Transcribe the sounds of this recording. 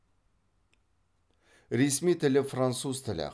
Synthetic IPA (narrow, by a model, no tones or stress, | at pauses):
ɾesmijt̪ʰɪlɪfrant̪suzt̪ʰɪlɪ̰